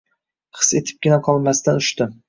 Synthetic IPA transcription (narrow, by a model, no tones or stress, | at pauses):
χɨ̥se̞t̪ʰɪ̥p̚ɡʲɪnaqʰɒlˠmast̪anʊʃt̪ɪ